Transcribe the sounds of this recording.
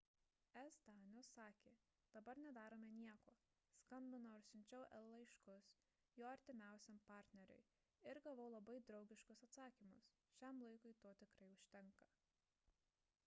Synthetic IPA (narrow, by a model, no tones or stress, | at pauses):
ɛzd̪ɑːnʲosɑːkʲeː | d̪̥ɐbɐɾnʲɛd̪ɑːɾoːmʲɛnʲiɛkoː | skɐnʲbʲɪnoʊɾsʲʊnʲt͡ʃʲɛʊʔɛlˠlˠɐɪʃkʊs | joːɐɾʲt̪ʲɪmʲæˑʊsʲɛmpɑːɾʲt̪ʲnʲɛɾʲʊ̰ɪ | ɪɾɡɐʋɐʊlˠɐbɐɪd̪ɾɒʊɡʲɪʃkʊsɐt̪sɑːkʲimʊ̰s | ʃʲæmlˠɐɪkʊɪt̪oɔt̪ʲɪkɾɐɪʊʃʲt̪ʲɛŋkɐ